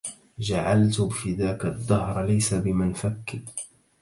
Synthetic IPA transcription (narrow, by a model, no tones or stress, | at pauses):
d͡ʒaʕalt̪bɪfiːðaːkaðˤːɑhɾˤlajsabɪmanfakːɪ